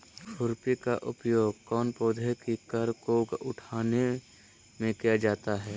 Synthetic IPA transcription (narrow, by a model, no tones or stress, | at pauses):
fʰʊɾpikaʔʊpjoːɡ̚kɔːnpoːd̪ʱekikəɾkoɡʊʈʰaːne | mẽkijad͡ʒaːt̪aɦɛː